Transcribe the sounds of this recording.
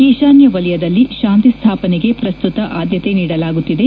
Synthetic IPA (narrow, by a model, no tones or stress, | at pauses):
keːʃaːnjɐʋɐlɛjɐd̪ɐlːiʃaːnt̪ist̪ʰaːpɐneɡe̞pɾɐst̪ut̪ɐʔaːd̪jɐt̪e̞niːɽɐlaːɡut̪ːid̪e